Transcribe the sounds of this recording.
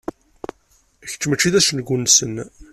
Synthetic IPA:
ç̥t͡sːmət͡ʃːiðæsənɡʷʊnsən

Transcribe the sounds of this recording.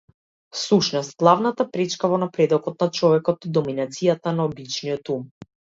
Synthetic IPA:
suʃnɔst̪̚ɡlˠavnat̪apɾɛt͡ʃkavɔnapɾɛd̪ɔkɔt̪̚nat͡ʃɔvɛkɔt̪id̪ɔminat̪sijat̪anaɔbit͡ʃnijɔt̪um

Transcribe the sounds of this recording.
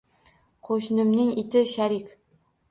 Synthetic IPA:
qʰoʃnɪmnɪŋɪt̪ɪʃaɾɪkʲ

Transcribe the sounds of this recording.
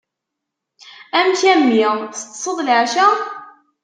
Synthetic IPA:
æmçæmːθst̪ˤːsˤəðˤlʕʃæ

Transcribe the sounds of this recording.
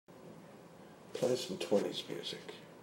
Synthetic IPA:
pʰl̥eɪsn̩tʰɔnḭzmjʉ̰ːzɪk

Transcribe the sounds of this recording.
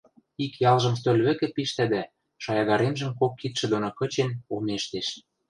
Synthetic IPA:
ikjɑlʒɤ̆msølʲβɘ̆kɘ̆piʃt̪æd̪æ | ʃɑjɑd̪ɑɾemʒə̆mkokːit̪ʃɘ̆d̪onokɤ̆t͡ɕenomeʃt̪eʃ

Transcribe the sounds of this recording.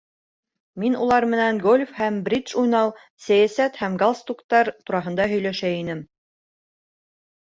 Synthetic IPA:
minulˠɑɾmɘ̆næŋɡolʲfhæmbɾʲit̪ʃujnɑw | sæjæsæt̪hæmɡalˠst̪ukt̪ɑɾt̪uɾɑɦɤ̆nd̪ɑɦɵ̆jlæʃæinɘm

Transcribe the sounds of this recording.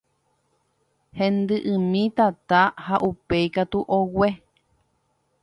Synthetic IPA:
hẽnd̪ɨʔɨ̃mĩt̪at̪ahaʔupeikat̪uʔowe

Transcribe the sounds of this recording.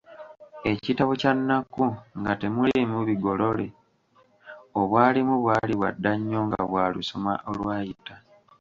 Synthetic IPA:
e̞citaβocanːakuŋɡate̞mulemuβiɡo̞lo̞le̞ | oβwaːlimuβwaːliβwa̰dːaɲːo̞ːŋɡa̰βwaːlṵso̞ma̰ʔolwaːjita

